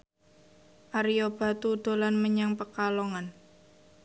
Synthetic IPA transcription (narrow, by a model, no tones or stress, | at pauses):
ʔaɾiob̥a̤t̪ud̪̥o̤lanməɲaŋpəkalɔŋan